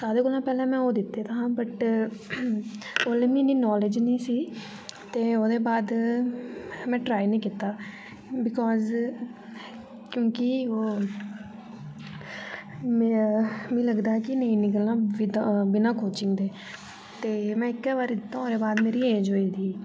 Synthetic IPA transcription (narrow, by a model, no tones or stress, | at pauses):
saːd̪eːkʊlãːpɛːlɛ̃ːmɛ̃ːoːd̪ɪt̪ːeːt̪aãːbəʈ | oːleːmĩːniːnɔːled͡ʒnĩːsiː | t̪eːoːd̪eːbaːd̪ | mɛ̃ːʈɾaːinĩːkɪt̪ːaː | bɪkɔːz | kjõːkɪoː | mĩːləɡd̪aːkɪnəĩːnɪkəlnãːbɪbɪnãːkoːt͡ʃɪ̃ŋɡd̪eː | t̪eːmɛ̃ːɪkːɛːʋaːɾid̪ɪt̪ːãːoːd̪eːbaːd̪meːɾiːeːd͡ʒoːiːd̪iː